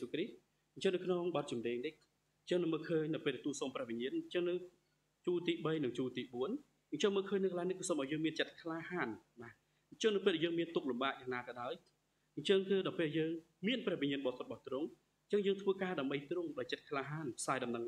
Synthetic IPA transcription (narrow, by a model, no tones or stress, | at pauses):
ukrih | ɨnɲt͡ɕəŋnɨwkʰnoŋɓɑt̪̚t͡ɕumneːŋnih | ɲt͡ɕəŋnɨməːlkʰəːɲnɨwpeːlɗaɛt̪uːsoːmprɛ̆əʋiɲiənɲt͡ɕəŋnɨw | t͡ɕuːlt̪iːɓəjnɨŋt͡ɕuːlt̪iːɓuən | ʔɨɲt͡ɕəŋməːlkʰəːɲnɨkəlajnihkɨːsomʔaɔjəːŋmiənt͡ɕət̪̚kʰlaːhaːnɓaː | ʔɲt͡ɕəŋnɨwpeːlɗaɛjəːŋmiənt̪uk̚lumɓaːʔ̚jaːŋnaːkɑːɗaɔj | ʔɨɲt͡ɕəŋkɨːɗapeːljəːŋ | miənprɛ̆hʋiɲiənɓɑːt̪ʰot̪̚ɓɑht̪rʊŋ | ɨɲt͡ɕəŋjəːŋt̪ʰʋəːkaːɗaəmɓəjt̪rʊŋɗaɔjt͡ɕət̪̚kʰlaːɦaːnpʰsaːjɗɑmnəŋ